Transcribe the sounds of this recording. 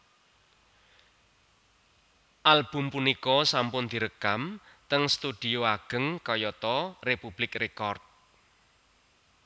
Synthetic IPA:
ʔalb̥ṳmpunikɔsampʊnd̪̥i̤ɾəkamt̪əŋst̪ud̪̥i̤oaɡ̥ə̤ŋkɔjɔt̪ɔrepub̥lɪkrekɔrt̪̚

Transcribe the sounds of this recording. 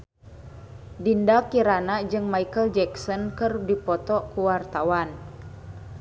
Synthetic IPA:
dindakiɾanad͡ʒɨŋmaikəld͡ʒɛksɔnkərdipɔt̪ɔkuwart̪awan

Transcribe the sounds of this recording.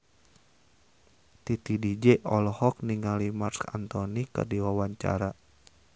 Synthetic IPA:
t̪it̪idid͡ʒɛʔɔlɔhɔk̚niŋalimarska̰nt̪ɔnikɨ̰rdiwawaɲt͡ʃa̰ɾa

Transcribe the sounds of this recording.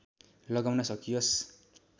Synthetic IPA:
lʌɡawnʌsʌkijʌs

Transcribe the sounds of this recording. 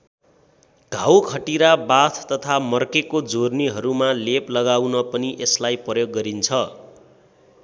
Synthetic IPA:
ɡ̥ʱawkʰʌʈiɾabat̪ʰt̪ʌt̪ʰamʌrkekod͡zorniɦʌɾumaleplʌɡawnʌpʌniʔeslajprʌjoɡːʌɾint͡sʰʌ

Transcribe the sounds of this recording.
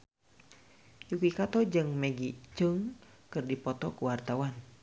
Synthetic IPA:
jukikat̪ɔd͡ʒɨŋmɛɡit͡ʃəŋkɨrdipɔt̪ɔkuwart̪awan

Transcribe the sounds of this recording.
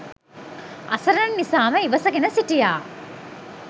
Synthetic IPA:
ɐ̰sɐɾɐnːisaːməiʋɐsɐɡenəsiʈijaː

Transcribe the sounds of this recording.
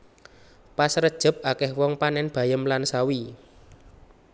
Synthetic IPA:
pasɾəd̥ʒ̥ə̤p̚akɛhwɔŋpanɛnb̥a̤jəmlansawi

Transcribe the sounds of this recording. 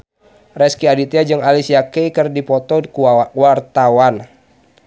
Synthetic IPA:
rɛskiadit̪iad͡ʒɨŋalisiakeikɨrdipɔt̪ɔkwart̪awan

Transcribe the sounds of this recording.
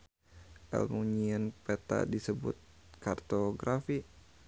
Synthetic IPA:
ʔɛ̰lmuɲiənpɛt̪a̰disəbut̪̚kart̪oɡɾafi

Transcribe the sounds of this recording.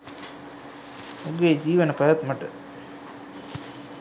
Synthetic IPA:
uɡeːd͡ʒiːʋənəpɐjat̪məʈə

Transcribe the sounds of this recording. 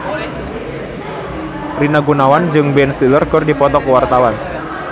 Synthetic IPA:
rinaɡunawand͡ʒɨŋbɛnst̪ilərkərdipɔt̪ɔkəwart̪awan

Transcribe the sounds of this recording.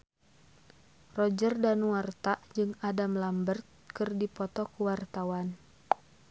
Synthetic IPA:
rɔd͡ʒərdanuwart̪aʔd͡ʒɨŋadamlambərt̪̚kɨrdipɔt̪ɔkuwart̪awan

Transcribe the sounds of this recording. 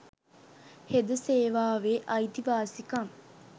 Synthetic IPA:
hed̪ɐseːʋaːʋeʔɐit̪iʋaːsikɐŋ

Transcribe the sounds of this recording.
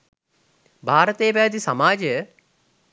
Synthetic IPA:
bʱaːɾɐt̪ejbɛːd̪isɐmaːd͡ʒəjə

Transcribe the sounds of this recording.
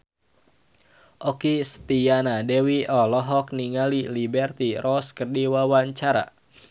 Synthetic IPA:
ʔɔkist̪ianadɛwiɔlɔɦɔk̚niŋalilibɛrt̪irɔskərdiwawaɲt͡ʃaɾa̰

